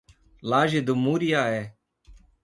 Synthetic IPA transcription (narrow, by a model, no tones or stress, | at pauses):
laːʒed̪umuːɾɪjaːɦeː